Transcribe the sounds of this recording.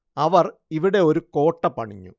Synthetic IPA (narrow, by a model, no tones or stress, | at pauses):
ɐʋɐriʋiɽe̞o̞ɾuko̞ːʈːɐpɐɳiɲːṵ